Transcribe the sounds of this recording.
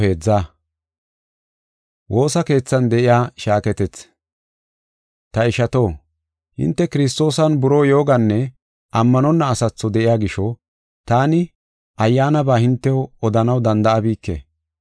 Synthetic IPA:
e̞ːd͡zːa | wo̞ːsɐke̞ːt͡sːɐnd̪ɛʔɪjaːʃaːkɛt̪ɛt͡s | t̪ɐɪʃɐt̪o̞ː | hɪ̰nt̪ːɛkɪɾɪs̬t̪o̞ːsɐnbʊɾo̞ːjo̞ːɡɐnːɛ | ʔɐmːɐnɔnːɐːsɐt͡sːɔd̪ɛʔɪjaːɡɪʃɔ | t̪aːnɪ | ʔɐjːaːnɐbaːhɪnt̪ːɛɔd̪ɐnɐwd̪ɐnd̪ɐʔɐbiːkːḛ

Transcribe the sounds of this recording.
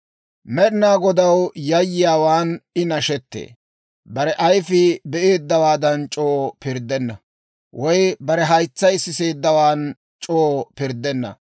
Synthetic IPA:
mɛɗɪnaːɡɔd̪ɐwjɐjːɪjaːwaːnɪnɐʃɛt̪ːḛː | bɐɾɛʔɐjfɪbɛʔe̞ːd̪ːɐwaːd̪ɐnt͡ʃʼoːpɪɾd̪ɛnːɐ̰ | wʔɔjbɐɾɛɦɐjt͡sːɐjɪsːɪse̞ːd̪ːɐwaːn | t͡ʃʼoːpɪɾd̪ɛnːɐ̰

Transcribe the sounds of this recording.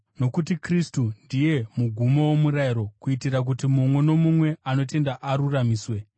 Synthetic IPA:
no̞kutikristundije̞muɡʱumo̞womuɾaiɾo̞kuitirak̬utimumwe̞no̞mumwe̞ano̞te̞ndaʔaɾuramiːswe̞

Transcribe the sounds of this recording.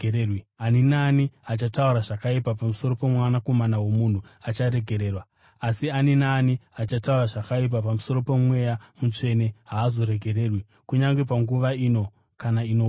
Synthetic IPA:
rwianinaːniat͡ʃatauɾaʐakaipapamuso̞ro̞pe̞mwanako̞manawo̞mun̤uat͡ʃaɾe̞ɡʱe̞ɾe̞ːrwa | asianinaːniat͡ʃatauraʐakaip̬apamuso̞ɾo̞pe̞mwe̞jamut͡ʂe̞neɦaːzo̞ɾe̞ɡʱeɾe̞ːrwi | kuɲaŋɡe̞p̬aŋɡuʋaiːno̞ | kanaino

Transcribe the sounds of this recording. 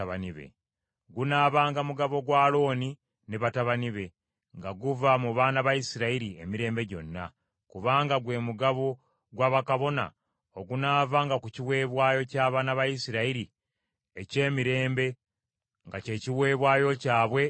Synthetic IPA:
βaniβḛ | ɡunaːβaːŋɡamuɡaβo̞ɡwaːlo̞ːni | ne̞βataβaniβe̞ | ŋɡaɡuvamuβaːnaβajisiɾaiɾie̞miɾe̞ːmbe̞ɟo̞̰nːa̰ | kuβaːŋɡaɡwe̞ːmuɡaβo̞ | ɡwaβakaβo̞na̰ | o̞ɡunaːvaːŋɡakuciwe̞ːβwaːjo̞caːβaːnaβajisiɾaiɾi | ece̞ːmiɾe̞ːmbe̞ | ŋɡace̞ːciwe̞ːβwaːjo̞caːβwe̞

